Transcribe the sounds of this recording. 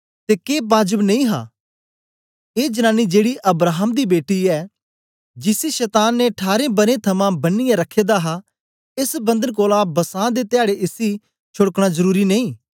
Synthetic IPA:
t̪eːkeːbaːd͡ʒəbnɐ̃ĩːɦã̰ː | eːd͡ʒɐnãːnid͡ʒeːɽiʔɐbɾaːɦəmd̪ibeːʈiɛː | d͡ʒɪsiʃɛːt̪aːnːeʈʰaːɾẽbɐɾẽt̪ʰɐmãbɐnːɪjãɾɐkʰːeːd̪aɦa | ɪsbɐ̃nd̪ənkoːlabɐsãːd̪et̪ɪaːɽeʔɪsi | t͡ʃʰʊɽəkɽ̃azɐɾuːɾinɐĩː

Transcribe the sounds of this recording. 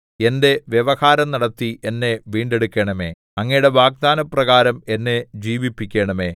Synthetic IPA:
e̞nde̞ʋjeʋɐhaːɾɐmnɐɽɐt̪ːie̞nːe̞ʋiːɳɖe̞ɽukʲːeɳɐme̞ː | ɐŋːɐjɽe̞ʋaːɡ̚d̪aːnɐprɐɣaːɾɐme̞nːe̞d͡ʑiːʋipːikʲːeːɳɐme̞ː

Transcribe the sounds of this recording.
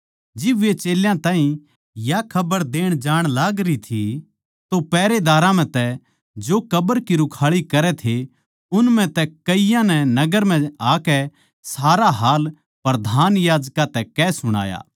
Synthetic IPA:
d͡ʒɪbʋet͡ʃeːljãt̪aːɦĩ | jakʰɐbəɾd̪eːɽ̃d͡ʒaːɽ̃laːɡɾit̪ʰi | t̪opɛːɾed̪aːɾãmɛ̃t̪ɛ | d͡ʒoːkɐbəɾkiɾʊkʰaːɭikɐɾɛt̪ʰe | ʊnmɛ̃t̪ɛkɐijãnɛnɐɡəɾm̤ɛ̃aːkɛ | saːɾaɦaːl | pɐɾd̪ʱaːnjaːd͡ʒkat̪ɛkɛːsʊɽ̃a̰ːja̰ː

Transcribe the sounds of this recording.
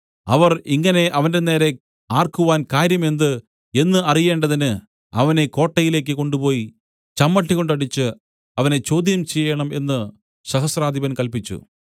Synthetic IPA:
ɐʋɐriŋːɐne̞ʔɐʋɐnde̞ne̞ːɾe̞ | aːrkuʋaːnkaːɾjɐme̞nd̪ɨ | e̞nːɨɐrije̞ːɳɖɐðinɨ | ɐ̰ʋɐne̞ko̞ːʈːɐjile̞ːk̬ːɨko̞ɳɖupo̞ːji | t͡ɕɐmːɐʈːikɣo̞ɳɖɐɽit͡ɕːɨ | ɐʋɐne̞t͡ɕo̞ːd̪jɐmt͡ɕejːɐɳɐme̞nːɨ | ɕɐɦɐsraːd̪ʱibɐnkɐlpit͡ɕːṵ

